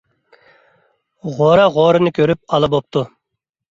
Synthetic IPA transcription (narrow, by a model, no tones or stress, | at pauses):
ʁoɾɑʁoːɾɨnɨkʲʰøɾyp̚ɑlˠɨbop̚t̪ʰu